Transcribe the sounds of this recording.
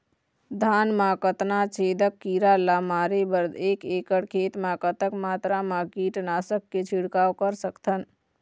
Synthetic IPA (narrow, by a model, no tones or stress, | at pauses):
d̪ʱanmakət̪nat͡ʃʰed̪əkːiɾalamaːɾebəɾd̪ekekəɽkʰet̪mãkət̪əkmaːt̪ɾamakiʈnaːsəkːet͡ʃʰiɽkawkəɾsəkt̪ʰən